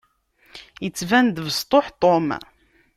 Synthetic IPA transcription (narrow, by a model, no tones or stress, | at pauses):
jət͡sːvænd̪vəst̪ˤoħt̪ˤom